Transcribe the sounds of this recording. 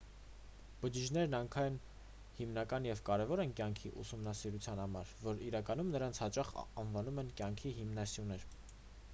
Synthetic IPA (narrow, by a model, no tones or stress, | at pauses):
b̥əd͡ʒiʒnɛɾnɑŋkʰɑjn | himn̪ɑkɑnjɛvkɑɾɛvɔɾɛnkjɑŋkʰiʔṵsumnɑsiɾut͡sʰjɑn̪hɑmɑɾvɔɾiɾɑkɑnumnəɾɑnt͡sʰhɑt͡ʃɑχɑnvɑnumɛnkjɑŋkʰiɦimnɑsjunɛɾ